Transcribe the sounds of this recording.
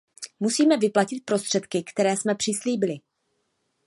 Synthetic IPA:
musiːmɛvɪplacɪt̪̚pɾo̞st̪r̝̥ɛt̪kɪkt̪ɛɾɛːsmɛpr̝̥ɪsliːbɪlɪ

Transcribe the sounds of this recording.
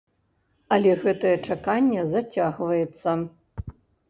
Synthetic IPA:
alʲeɣɛt̪ɐjɛt͡ʂɐkanʲːɛzɐtʲaɣvɐjɛt̪sɐ

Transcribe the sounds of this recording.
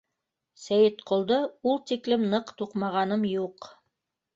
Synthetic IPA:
sæjɘt̪qŏlˠd̪ɤulˠt̪iklɘmnɤqt̪uqmɑʁɑnɤmjuq

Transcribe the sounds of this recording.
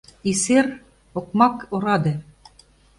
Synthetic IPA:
iseɾ | oqmɑkoɾɑd̪ɤ

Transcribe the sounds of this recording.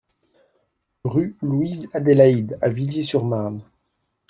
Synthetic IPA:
ʁyluizad̪ɛlaid̪a̰viljesyʁman

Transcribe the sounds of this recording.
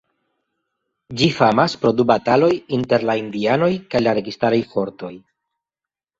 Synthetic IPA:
d͡ʒifamaspɾo̞dubatalo̞jinte̞ɾlaind̪iano̞jkajlaɾe̞ɡistaɾajfo̞ɾto̞j

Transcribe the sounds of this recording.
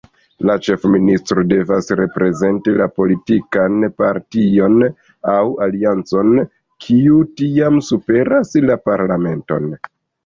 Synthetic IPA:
lat͡ʃe̞fministɾo̞de̞vasɾe̞pɾe̞ze̞ntilapo̞litikanpaɾtio̞n | awaliant͡so̞n | kʰiutiamsupe̞ɾaslapaɾlame̞nto̞̰n

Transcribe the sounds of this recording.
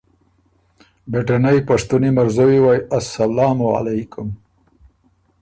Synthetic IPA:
beʈanajpaʂt̪unimaɾzawiwajasːalɑːmua̰lajkʊm

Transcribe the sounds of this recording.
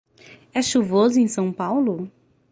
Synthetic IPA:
ɛʃuvozʊẽj̃sɐ̃w̃pawlʊ

